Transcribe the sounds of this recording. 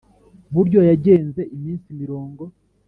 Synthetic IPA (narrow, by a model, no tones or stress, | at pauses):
βuɾɟo̞jaɟe̞ːnze̞ʔimiːnsimiɾo̞ːŋɡo̞